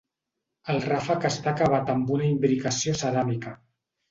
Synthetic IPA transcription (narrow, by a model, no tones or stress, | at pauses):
əlˠrafakəst̪akaβ̞at̪əmbunaimbɾikəsiosəɾamikə